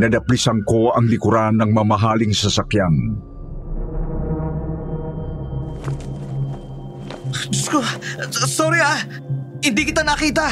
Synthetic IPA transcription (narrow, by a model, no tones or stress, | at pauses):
nɐd̪ɐplisɐŋkoɐŋlɪkʊɾanːɐŋmɐmɐɦaːlɪŋsɐsakjan | d͡ʒʊskosoɾia | hɪnd̪ikɪt̪anɐkiːt̪a